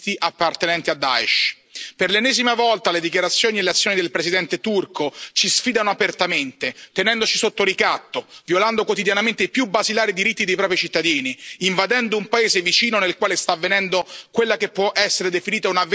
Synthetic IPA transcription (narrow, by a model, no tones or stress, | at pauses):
iʔapːart̪enɛnt̪iad̪ːa̰ɛʃ | perlenːɛːzimavɔlt̪aled̪ikjaɾat̪sːjoːnieleat̪sːjoːnid̪elpɾesid̪ɛnt̪et̪urkot͡ʃisfiːd̪anoapert̪ament̪et̪enɛnd̪ot͡ʃisot̪ːoɾikat̪ːovjoland̪okwot̪id̪janament̪eipjubazilaːɾid̪iɾit̪ːid̪ejpɾɔːpɾit͡ʃit̪ːad̪iːniːɱvad̪ɛnd̪oumpaeːzevit͡ʃiːnonelkwaːlest̪avːenɛnd̪okwelːakepːwɔʔɛsːeɾed̪efiniːt̪aunav